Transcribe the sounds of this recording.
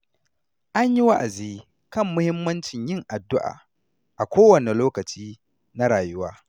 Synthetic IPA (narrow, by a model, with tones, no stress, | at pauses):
ʔa˦ɲji˦wa˦ʔa˨ziː˦ | kɐ˦˨mːʊ˦hɪ˦mːɐ˦nt͡ʃɪ˨ɲjɪ˦ŋʔa˨dːʊ˦ʔa̰ː˨ | ʔa˨kʷoː˦wɐ˨ne˨loː˦kɐ˨t͡ʃiː˦ | na˦ɾaː˨jʊ˦waː˦